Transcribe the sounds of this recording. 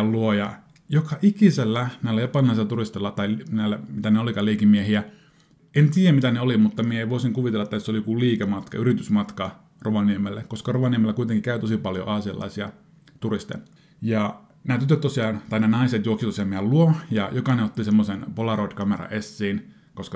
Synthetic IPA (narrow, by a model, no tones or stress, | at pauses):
lluojɑ | jokɑʔikiselːænæilːæjopɑlinɑiselːæt̪urist̪elːɑt̪ɑilnæilːæmit̪æneolikɑleikimiehiæ | ent̪iːjæmit̪æneolimut̪ːɑmieeiʋoˑisiŋkuʋit̪elːɑet̪ːæsːolijo̥kuliːkæmɑt̪kɑ̰yrit̪ysmɑt̪kɑ | roʋɑniemelːekkoskɑroʋɑniemelːækuit̪eŋkikæyt̪osipɑljo̰ʔɑːsiɑ̰lːɑ̰isiɑ̰ | t̪urist̪ḛ | jɑ | næːt̪yt̪ːøt̪t̪osiɑːnt̪ɑinæːnɑiset̪juoksit̪osiɑmiælluojɑjokɑneot̪ːisemːosenpolɑrot̪ʲkɑmerɑ̰ʔesːiːn | koskɑ